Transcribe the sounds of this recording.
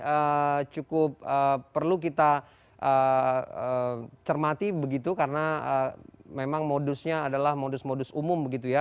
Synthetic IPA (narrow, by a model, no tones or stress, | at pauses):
ət͡ʃukʊp̚əːərluk̬it̪a | ʔəət͡ʃərmat̪ibəɡit̪ukaɾənaəmemaŋmodʊsɲaːdalahmodʊsmodʊsumʊmbəɡit̪̬uja